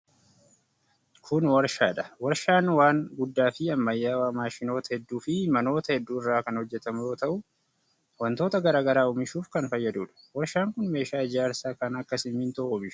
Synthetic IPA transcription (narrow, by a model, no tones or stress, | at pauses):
kʰʊnwɐɾʃaːᶑɐ̥wɐɾʃaːnwaːŋɡʊd̪ːaːfɪɐmːɐjːaːwaːmaːʃɪno̞ːt̪ɐhɛd̪ːuːfɪmɐno̞ːt̪ɐhɛd̪ːuːɪrːaːkɐnhɔd͡ʒːɛt̪ɐmʊjo̞ːt̪ɐʔʊ | wɐnt̪o̞ːt̪ɐɡɐɾaːɡɐɾaːʊmɪʃuːfkɐnfɐjːɐd̪uːᶑɐ̥wɐɾʃaːŋkʊnme̞ːʃaːɪd͡ʒaːɾsaːkɐnɐkːɐsɪmːɪːnt̪ɐʔːmɪʃʊ̥